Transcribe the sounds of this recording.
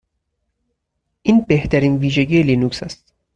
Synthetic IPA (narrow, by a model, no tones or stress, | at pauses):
ʔiːnbeht̪ʰæɾiːnviːʒeɟiːjeliːnuksæst̪